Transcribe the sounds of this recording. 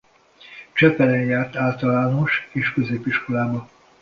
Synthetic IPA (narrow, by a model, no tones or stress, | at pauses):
t͡ʃɛpɛlɛnjaːrt̪aːlt̪ɒlaːno̞ʃeːʃkøzeːpiʃko̞laːbɒ